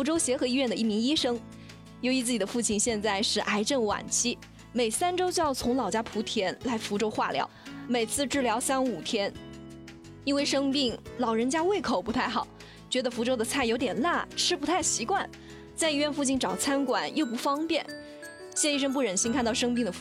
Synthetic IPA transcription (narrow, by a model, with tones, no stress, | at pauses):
fu˧˥ʈ͡ʂo˥ʊɕjɛ˧˥xɤ˧˥i˧˥ɥɛ˥˩nd̪ə˩ʔi˥˩mi˧˥ŋi˥ʂɤ˥ŋ | jo˧˥ʊi˧˥t͡sɹ̩˥˩t͡ɕi˨˩ə˦fu˥˩˧t͡ɕʰi˥˩nɕjɛ˥˧nt͡sa˥˧ɪʂɻ̩˥˩ʔa˧˥ɪʈ͡ʂə˥˩nwa̰˨˩nt͡ɕʰi˥ | me˨˩ɪsa˥nʈ͡ʂo˥ʊt͡ɕjʊt͡sʰʊ˧˥ŋlɑ˨˩ʊt͡ɕja˥pʰu˧˥t̪ʰjɛ˧˥nla˧˥ɪfu˧˥ʈ͡ʂo˥ʊxwa̰˥˩ljɑ̰˧˥ʊme˨˩ɪt͡sʰɹ̩˥˧ʈ͡ʂɻ̩˥˩ljɑ˧˥ʊsa˥nu˨˩t̪ʰjɛ˥n | i˥nwe˥˩ɪʂɤ˥ŋpi˥˩ŋlɑ˨˩ʊɻə˧˥nt͡ɕja˥we˥˩ɪkʰo˨˩ʊpu˧˥t̪ʰa˥˩ɪxɑ˨˩˦ʊ | t͡ɕɥɛ˧˥d̪ə˧fu˧˥ʈ͡ʂo˥ʊd̪ə˨t͡sʰa˥˩ɪjo˧˥ʊt̪jɛ˨˩nla˥˩ʈ͡ʂʰɻ̩˥pt̪ʰa˥˩ɪɕi˧˥kwa˥˩n | t͡sa˥˧ɪi˥ɥɛ˥˧nfu˥˧t͡ɕʰi˥˩nʈ͡ʂɑ˨˩ʊt͡sʰa˥nkwa˨˩njo˥˩ʊp̬u˧˥fɑ˥ŋpjɛ˥˩n | ɕjɛ˥˧i˥ʂ̬ɤ˥ŋp̬u˥˩ɻə˨˩nɕi˥nŋkʰa˥˧nt̪ɑ˥˩ʊʂɤ˥ŋp̬i˥˩ŋd̪ə˩